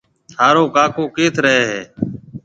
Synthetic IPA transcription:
t̪ʰaːɾoːkaːkoːkeːt̪ʰɾəɦeːɦeː

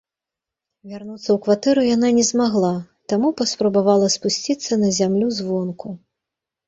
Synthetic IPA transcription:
vʲarnut̪sːɐwkvat̪ɛɾujananʲɛzmaɣlˠa | t̪amupɐspɾɐbavalˠɐspusʲt͡sʲit̪sːɐnɐzʲamlʲuzvɔnku

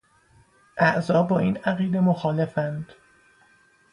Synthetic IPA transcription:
ʔæʔzɒːbɒːiːnæɣiːd̪e̞moxɒːle̞fænd̪̥

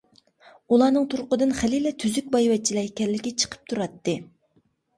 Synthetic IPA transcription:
ulˠɑnɨŋt̪ʰuɾqəd̪ɨnχælilɛt̪ʰyzyk̚ʲbɑjwɛt͡ʃʰːilɛkʲɛlːɪkʲɛt͡ʃʰə̥qʰə̥p̚t̪ʰuɾɑt̪ːɨ

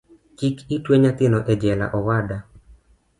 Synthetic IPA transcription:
kikitweɲat̪ɪnɔʔɛd͡ʒɛla̰ʔɔwada

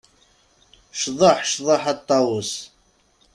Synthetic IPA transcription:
ʃðˤəħʃðˤəħɑt̪ˤːɑwəs

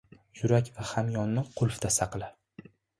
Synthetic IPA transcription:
jʊɾakʲvahamjɒnːɪqʰʊlˠfd̪asaqlˠa

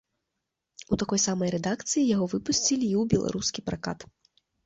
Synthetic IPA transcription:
ut̪akɔjsamɐjɾɛd̪akt̪sɨjijaɣɔvɨpusʲt͡sʲilʲiiwbʲɛlˠa̰ɾʔuskʲipɾaka̰t̪

